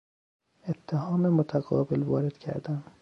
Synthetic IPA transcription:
et̪ʰːehɒːmemot̪ʰæɣɒːbelvɒːɾed̪̥kcʰæ̰ɾd̪æm

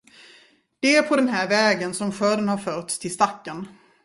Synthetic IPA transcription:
d̪̥ɛæɾpʰɔd̪ɛnɦæːɾvɛːɡənsɔmɧœːɖənhaɾfœːʈst̪ʰɪlst̪akːən

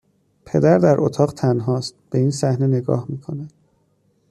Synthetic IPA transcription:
pʰe̞d̪æɾd̪æɾʔot̪ʰɒːɢt̪ʰænɦɒːst̪̚b̥e̞iːnsæhne̞ne̞ɡɒ̰ːhmiːkʰo̞næd̪̥

